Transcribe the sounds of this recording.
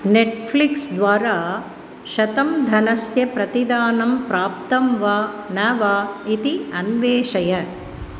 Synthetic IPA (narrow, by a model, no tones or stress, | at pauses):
neʈpʰliksd̪ʋaːɾaː | ʃɐt̪ɐmd̪ʱɐnɐsjɐpɾɐt̪id̪aːnɐmpɾaːp̚t̪ɐmʋaːnɐʋaːit̪iɐnʋeːʂɐjɐ